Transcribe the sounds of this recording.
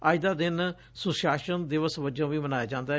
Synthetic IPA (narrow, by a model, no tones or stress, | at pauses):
aːɪd̪aːd̪ɪn | sʊʃaːʃənd̪ɪʋəsʋəd͡ʒãːʋiːmənaːjaːd͡ʒãːnd̪aː